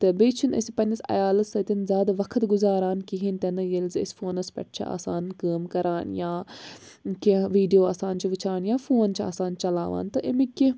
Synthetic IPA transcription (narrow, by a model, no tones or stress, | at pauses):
t̪ɐbeːt͡ʃʰunɐ̰sipɐnʲɐsɐ̰jaːlɐt̪sɐt̪ʲinzʲaːd̪ɐʋɐkʰt̪ɡʊzaːɾaːnkiɦinʲt̪ɐnɐjelzɪ̰sfoːnɐspʲɛ̰ʈ̚ʰt͡ʃʰḭa̰ːsaːnkɐːmkɐɾʔaːnjaː | kiʋiːɖijoːaːsaːnt͡ʃʰiʋɪt͡ʃʰaːnjaːfoːnt͡ʃʰa̰ːsaːnt͡ʃɐla̰ːʋa̰ːnt̪ɐʔemikʲːi